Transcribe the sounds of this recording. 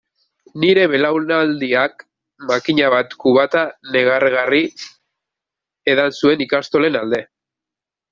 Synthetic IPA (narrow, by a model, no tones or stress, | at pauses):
niɾe̞βe̞lawnald̪iak | makiɲaβat̪kuβat̪ane̞ɣ̞arɣari | e̞ðansue̞nikast̪o̞le̞nald̪e̞